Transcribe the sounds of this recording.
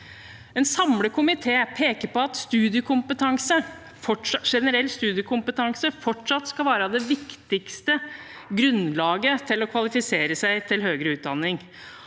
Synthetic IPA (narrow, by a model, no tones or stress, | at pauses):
ɛnsɑmləkʰʊmɪt̪ʰeːpʰeːkəɾpɔɑt̪st̪ʉːd̪ɪəkʰʊmpət̪ʰɑŋsə | fɔʈʂʂɛnəɾɛlːst̪ʉːd̪ɪəkʰʊmpət̪ʰɑŋsəfɔʈʂɑt̪ːskɑlʋæːɾəɑʋd̪ɛʋɪkt̪ɪkst̪ə | ɡɾʉnlɑːɡət̪ʰɪlɔkʰʋɑlɪfɪseːɾəsæɪt̪ʰɪlɦøːɡɾəʉːt̪̚d̪ɑnːɪŋ